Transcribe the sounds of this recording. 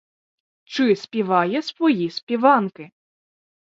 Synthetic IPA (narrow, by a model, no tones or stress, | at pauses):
t͡ʃɪspʲiʋɑjɛsʋɔjispʲiʋɑnkɪ